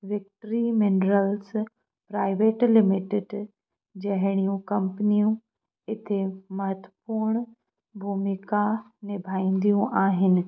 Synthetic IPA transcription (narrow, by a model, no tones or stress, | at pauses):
ʋɪk̚ʈɾimɪnɾəls | pɾaːɪʋeːʈlɪmɪʈɪɖ | d͡ʑɐɦɪɽ̃ijũkɐ̃mpənijũ | ɪt̪ʰemɐɦət̪wəpuːɾɳ̃ | bʱuːmika | nɪbʱaːĩːnd̪ijũʔaːɦɪnɪ̆